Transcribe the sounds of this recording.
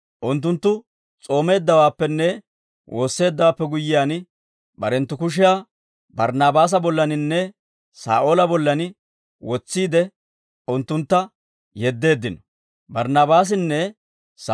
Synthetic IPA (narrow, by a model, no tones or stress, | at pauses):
ʔʊnt̪ːʊnt̪ːʊ | t͡sʼo̞ːme̞ːd̪ːɐwaːpːɛnːɛ | wʔo̞ːsːe̞ːd̪ːɐwaːpːɛɡʊjːɪjaːn | bɐ̰ɾɛnt̪ːʊkʊʃ̬ɪjaː | bɐɾnaːbaːs̬ɐbɔlːɐnɪnːɛ | sa̰ːʔoːlɐbɔlːɐnɪ | wɔt͡sːiːd̪ɛ | ʊnt̪ːʊnt̪ːɐ | jɛd̪ːe̞ːd̪ːɪnɔ̥ | bɐɾnaːbaːs̬ɪnːɛ | s